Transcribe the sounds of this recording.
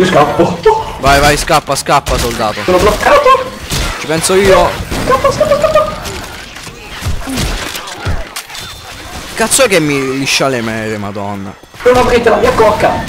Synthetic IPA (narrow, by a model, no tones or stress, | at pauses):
iskapput̪ːovajvajskapːaskapːasold̪aːt̪oonoflot̪ːɾaːt̪ot͡ʃi̥pɛnsoiːoskapːaskapːaskapːa | kat̪sːoɛkːemːiliʃːalemɛɾemad̪ɔnːa̰ | unapɾit̪ːelavjɛkːoakːa